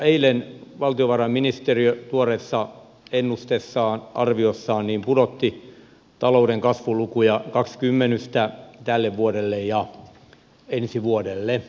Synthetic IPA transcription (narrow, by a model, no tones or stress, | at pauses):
eilenʋɑlt̪ioʋɑrɑmminist̪eriøt̪uoresːɑ | enːust̪esːɑːnʔɑ̰rʋiosːɑːnniːmpudot̪ːi | t̪ɑloudeŋkɑsʋulukujɑkɑkskymːenyst̪æt̪ælːeʋʋuodelːejjɑ | ensiʋuodelːe